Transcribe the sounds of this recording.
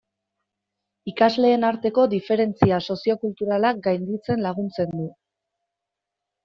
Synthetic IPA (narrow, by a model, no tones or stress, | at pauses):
ikazle̞ːnaɾt̪e̞ko̞d̪ife̞ɾe̞nt͡siaso̞sio̞kult̪uɾalak̚ɡajnd̪it͡se̞nlaɣunt͡se̞nd̪u